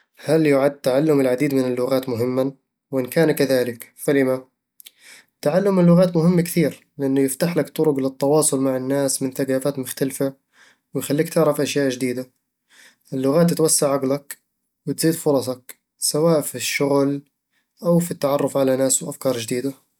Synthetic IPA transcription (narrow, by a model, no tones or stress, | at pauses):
haljʊʕad̪̚t̪aʕalːʊmɪlʕad̪iːd̪mɪnɪlːʊɣaːt̪mʊɦɪmːa | wʔɪnkaːnkaðaːlɪk | falɪma | t̪ːaʕalːʊmːɪlːʊɣaːt̪mʊhɪmːakθiːɾlɪʔanːʊjɪft̪aħlakt̪ˤːʊɾʊɡlɪt̪ˤːɑwɑːsˤʊlmaʕɪnːaːsmɪnθaɡaːfaːt̪mʊxt̪alfa | wɪjxalːiːk̚t̪ɪʕɾɑfʔaʃjaːʔd͡ʒd̪iːd̪a | ʔɪlːʊɣaːt̪̬ːɪt̪wasːaʕʕaɡlak | wɪt̪z̥iːd̪fʊɾˤɑsˤɑk | sawaːʔfiʃːʊɣl | ʔawfit̪ːaʕɑrˤːʊfʕalanaːswʔafkɑːɾˤd͡ʒd̪iːd̪a